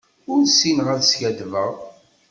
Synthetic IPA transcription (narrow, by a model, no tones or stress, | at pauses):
ʊɾsinʁælsjæd̪vəʁ